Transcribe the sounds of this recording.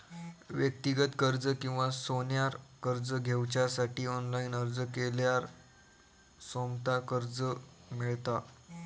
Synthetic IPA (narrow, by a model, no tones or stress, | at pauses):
ʋjək̚t̪iɡət̪kəɾd͡zəkĩw̃ʋasonjaɾkəɾd͡zəɡʱewt͡ɕjasaʈiːɔnlainəɾd͡zəkeljaɾ | somt̪akəɾd͡zə | miɭt̪a